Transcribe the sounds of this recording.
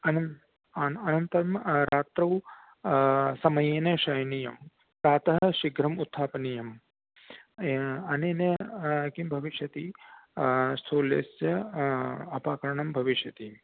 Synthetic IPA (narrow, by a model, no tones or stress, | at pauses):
ɐnɐ | ɐnɐnt̪ɐɾɐmɾaːt̪ɾɐw | sɐmɐjeːnɐʃɐjnijɐm | pt̪aːt̪ɐɦɐʃiɡɾɐmut̪ʰːaːpɐnijɐm | ɐneːnɐɐkimbʱɐʋiʃjɐt̪i | st̪ʰoːlḛːsjɐ | ɐpaːkɐɾɐɳɐmbʱɐʋiʃjɐt̪i